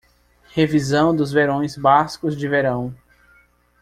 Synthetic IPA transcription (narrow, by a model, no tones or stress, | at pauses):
hevizɐ̃w̃d̪ʊzveɾõj̃zbaskʊzd͡ʒɪveɾɐ̃w̃